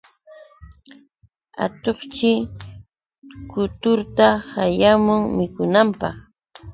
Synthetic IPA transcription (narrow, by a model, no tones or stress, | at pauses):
a̰t̪oχt͡ʃɪ | kʊt̪ʊɾt̪ahajamʊŋmɪkʊnampɑχ